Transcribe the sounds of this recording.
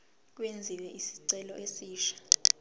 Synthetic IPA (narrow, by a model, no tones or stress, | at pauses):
k̬wend͡zʱiwɛʔisi̥ǀɛlɔ̰ʔesiːʃḁ